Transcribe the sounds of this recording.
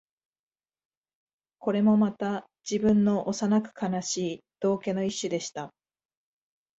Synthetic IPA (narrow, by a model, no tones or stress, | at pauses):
ko̞ɾe̞mo̞mat̪a | d͡ʑ̥ibɯ̟̃nːo̞ʔosanakɯ̟̥kʰanaɕiːd̪̥o̞ːke̞no̞iɕːɨd̪e̞ɕi̥t̪a